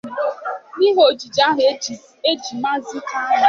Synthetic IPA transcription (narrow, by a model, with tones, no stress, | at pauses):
ni˦ɦo˨d͡ʒi˨d͡ʒa˦ɦ | e˦d͡ʒi˨ma˦zi˦ta˦˨˦